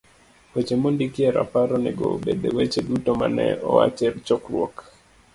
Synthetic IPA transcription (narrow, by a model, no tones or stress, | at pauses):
pot͡ʃemondikieɾa̰paɾɔneɡobed̪ewet͡ʃedutoma̰nɛ̰ɔwa̰t͡ʃɛrt͡ʃɔkrwɔk